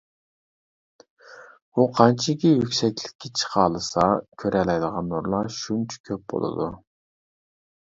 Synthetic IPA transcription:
uqʰɑnt͡ʃʰikʲɛjykʲsɛkʲlɪ̥kʲːɛt͡ʃʰə̥qʰɑːlˠɨsɑkʲʰøɾɛlɛjd̪əʁɑnːuɾlˠɑʃunt͡ʃʰu̥kʲʰøp̚bo̰lˠɨ̰d̪u

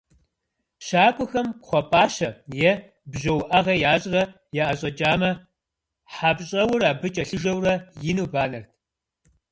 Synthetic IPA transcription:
ɕaːkʷʼʊxɐmχʷɔpʼaːʃɐjɛ | bʑɐwʔɐʁɐjaːɕʼrɐ | jaʔɐɕʼɐt͡ʃʼaːmɐ | ħapɕʼɐwʊraːbɨt͡ʃʼɐɬɨʒɐwrɐjɪnuːbaːnɐrtʰ

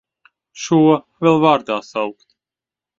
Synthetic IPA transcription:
ʃuɔ | vɛlˠvaɾd̪aːsawkt̪

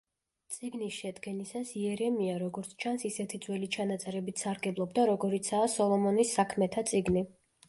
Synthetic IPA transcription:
t̪sʼiɡnisʃɛd̪ɡɛnisasiɛɾɛmiaɾɔɡɔɾt̪sʰt͡ʃʰansisɛt̪ʰid̪zwɛlit͡ʃʰanat̪sʼɛɾɛbit̪ʰsaɾɡɛblˠɔbd̪aɾɔɡɔɾit̪sʰaːsɔlˠɔmɔnisːakʰmɛt̪ʰat̪sʼiɡni

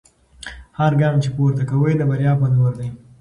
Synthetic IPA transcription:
haɾɡɑːmt͡ʃepoɾt̪akawəjd̪əbaɾjɑːpanawaɾd̪aj

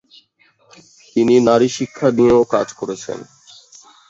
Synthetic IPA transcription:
t̪ininaɾiʃikʰːadijoka̰d͡ʑkɔɾet͡ɕʰḛn

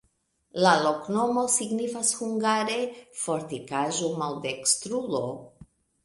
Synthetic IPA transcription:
lalo̞kno̞mo̞siɡnifashuŋɡaɾe̞fo̞ɾtikaʒo̞malde̞kstɾulo̞

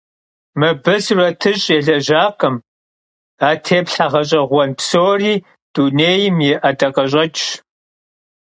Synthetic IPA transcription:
mɨbɨsrɐtʰɨɕʼeːɮɐʒaːqɐm | aːtʰeːpɬaʁɐɕʼɐʁʷɔnpsoːriː | d̥uneːjɪmjɪʔatʼɐqʼɐɕ̬ʼɐt͡ʃʼ

